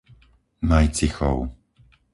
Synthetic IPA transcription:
majt͡sixɔ̰ʊ

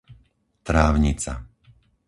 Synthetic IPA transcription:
t̪ɾaːʊɲit͡sa̰

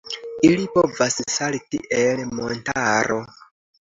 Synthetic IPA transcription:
ilipo̞vassalitḭʔe̞lmo̞ntaɾʔo

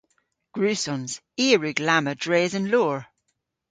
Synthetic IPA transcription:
ɡ̥ɹʉːsɔ̃nz̥ | iːɹʉɡlamədɹeːzə̃nlɔːɹ

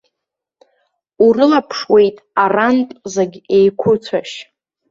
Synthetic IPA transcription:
urɨlapʰʂwe̞jtʼarantʼzaɡʲejkʷʰʊt͡sʷʰaʃ

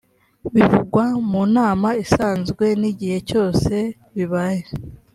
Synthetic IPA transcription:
βivuɡwamuːnaːmaisaːnzɡwe̞niɟihe̞co̞ːse̞ | βiβaje

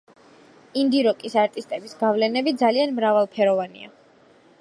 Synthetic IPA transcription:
ind̪iɾɔkʼisaɾt̪ʼist̪ʼɛbisɡavlɛnɛbid̪zalianmɾavalˠpʰɛɾɔvanḭa̰

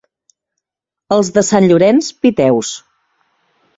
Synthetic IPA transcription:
əlˠzðəsanʎuɾɛnspit̪ɛws

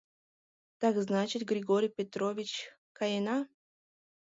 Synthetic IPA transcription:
t̪aɡznat͡ɕɪt̪ɡɾʲɪɡoɾʲɪjpʲɪt̪ɾovʲɪt͡ɕ | kajena

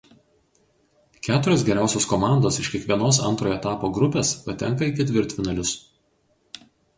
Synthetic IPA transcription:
kʲæːt̪ʊɾʲoːsɡʲɛɾʲæˑʊsʲoːskɔmɑˑnd̪oːsɪʃkʲiɛkʋʲiɛnoːsɐ̰nt̪ɾoːjoɛt̪ɑːpoːɡɾʊpʲeːspɐt̪ʲɛŋˑkɐɪkʲɛt̪ʲʋʲɪɾʲt̪ʲfʲɪnɐlʲʊs

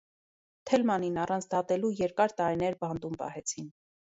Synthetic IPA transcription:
t̪ʰɛlmɑninɑrɑnt͡sʰd̪ɑt̪ɛlujɛɾkɑɾt̪ɑɾinɛɾbɑnt̪umpɑ̰hɛt͡sʰin

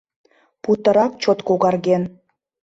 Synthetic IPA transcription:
put̪ə̆ɾɑk̚t͡ɕot̪koɣɑrɣʲen

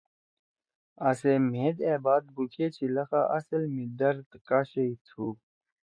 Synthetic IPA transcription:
ɐsem̤ẽːd̪eːbaːd̪̚bukʰeːt͡ɕʰilɐxaʔɐsəlmid̪ɐɾd̪kaːɕeit̪ʰuː

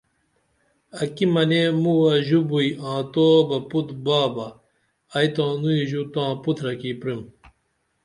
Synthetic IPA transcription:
ɐkimɐnemuwɐʑubuiãːt̪oːbɐput̪baːbɐː | jt̪ãːnuiʑut̪ãːput̪ʰɾɐkipɾim

